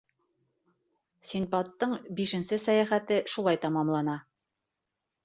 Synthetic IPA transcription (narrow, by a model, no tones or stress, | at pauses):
sʲinpɑt̪ːɤɴbiʃɘ̆nsɘsæjæχæt̪ɘʃulˠɑjt̪ɑmɑmlˠɑnɑ